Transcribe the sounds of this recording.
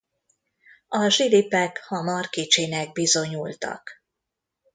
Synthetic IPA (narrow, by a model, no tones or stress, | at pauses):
ɒʒilipɛkhɒmɒrkit͡ʃeːnɛɡ̚bizo̞ɲult̪ɒ̰k